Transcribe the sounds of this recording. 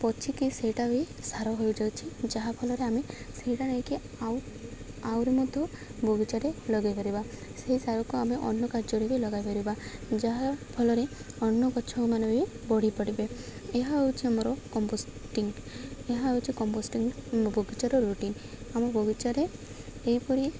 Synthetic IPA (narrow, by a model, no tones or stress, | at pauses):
pɔt͡ʃʰikiseʈabsaɾɔɦɔjud͡ʒawt͡ʃʰid͡ʒaɦapʰɔlɔɾeame | seiʈanaɦĩki | aw | awɾemɔd̪ʱjɔbʱɔɡit͡ʃaɾelɔɡajpaɾibaseɦisaɾɔkuameʔɔ̰nːɔkaɾd͡ʒɔɾebilɔɡajpɔɾibad͡ʒaɦapʰɔlɔɾeɔnːɔkɔt͡ʃʰɔkmanɔbibɔɽ̤ipəɽibeeɦaɦɔwt͡ʃʰiamɾɔkɔmbosʈiŋɡeɦaɦojt͡ʃʰikɔmbosʈiŋbʱɔɡit͡ʃaɾɔɾuʈin | amɔbʱɔɡit͡ʃaɾe | ejpɔɾi